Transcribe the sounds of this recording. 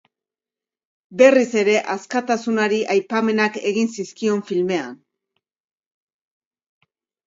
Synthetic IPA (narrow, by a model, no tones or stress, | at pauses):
be̞rise̞ɾe̞ʔaskat̪asunaɾiʔajpame̞nake̞ɣinsiskio̞ɱfilme̞an